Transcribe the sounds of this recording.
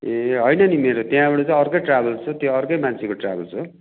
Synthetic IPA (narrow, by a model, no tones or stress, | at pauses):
ɦʌjnʌnimeɾot̪jãbʌɽot͡saj̃ʌrkʌjʈrabʌlt͡sʰut̪joʌrkʌjmant͡sʰekoʈra̰bʌlt͡sʰu